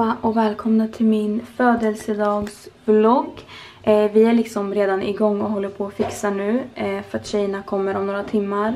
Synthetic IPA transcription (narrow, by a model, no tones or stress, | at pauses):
aʔɔkvɛːlkʰɔmnat̪ʰɪlmɪnføːd̪əlsəd̪ɑːɡsblɔɡː | vɪæɭɪksɔmɾeːd̪anɪɡɔŋːɔɦɔlːəɾpʰɔːfɪksanʉ̟ːfœɾat̪ɕɛjːəɳakʰɔmːəɾɔmnoːɾat̪ʰɪmːaɾ